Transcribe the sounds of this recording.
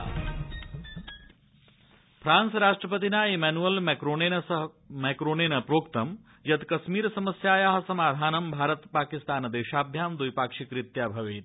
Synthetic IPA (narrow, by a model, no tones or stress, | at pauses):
fʰɾaːnsɾaːʂʈɾɐpɐt̪inaːemɛːnuɐlmeɾoːnenɐɦ | meːkɾoːneːnɐpɾoːkt̪ɐm | jɐt̪kɐʃmiːɾɐsɐmɐsjaːjaːɦɐsɐmaːd̪ʱaːnɐmbʱaːɾɐt̪paːkist̪aːnd̪eːʃaːbʱjaːmd̪ujpaːkʂikɾit̪jaːbʱɐʋeːt̪